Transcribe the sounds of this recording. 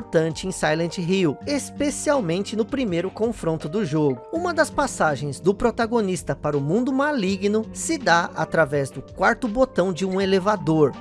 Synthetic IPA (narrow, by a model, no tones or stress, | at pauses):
ɾt̪ɐ̃nt͡ʃɪẽj̃sajlɐ̃t͡ʃɪɦiwespesiawmẽnt͡ʃɪnʊpɾimejɾʊkõfɾõnt̪ʊd̪ʊʒoɡʊũmɐd̪ɐspasaʒẽj̃zd̪ʊpɾot̪aɡonist̪ɐpaɾʊmũnd̪ʊmaliɡnʊsɪd̪aa̰t̪ɾavɛzd̪ʊkwaɾt̪ʊbot̪ɐ̃w̃d͡ʒɪũelevad̪oɾ